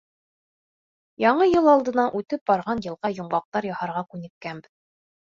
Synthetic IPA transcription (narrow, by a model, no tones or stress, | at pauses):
jɑɴɤjɤlˠɑlˠd̪ɤ̆nɑnʔʉt̪ɘp̚bɑɾʁɑnjɤ̆lˠʁɑjŏɴɢɑq̚t̪ɑɾjɑhɑɾʁɑkʉnɘ̆k̚kænbɘð